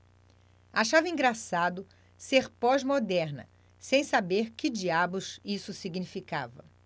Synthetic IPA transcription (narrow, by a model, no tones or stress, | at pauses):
aʃavɐĩŋɡɾasad̪ʊ | seɾpɔzmod̪ɛɾnɐ̰ | sẽj̃sabeɾkɪd͡ʒiabʊzisʊsiɡnifikavɐ